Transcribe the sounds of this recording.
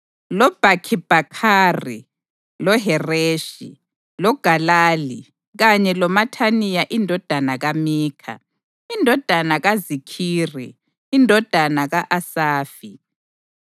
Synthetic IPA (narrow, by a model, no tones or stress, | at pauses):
lɔb̥ʱakʰib̥ʱakʰaːrḭ | lɔɦɛreːʃḭ | lɔɡ̥ʱalaːli | ɣaɲɛlɔmatʰanijaʔindʱɔd̥ʱanaɣamiːkʰa̰ | indʱɔd̥ʱanaɣazikʰiːriː | ndʱɔd̥ʱanaɣaʔasaːfi